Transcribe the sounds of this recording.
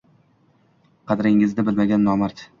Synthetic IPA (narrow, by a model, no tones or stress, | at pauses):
qʰɑd̪ɾɪŋɪzd̪abɪlmaɡʲanːɒmaɾt̪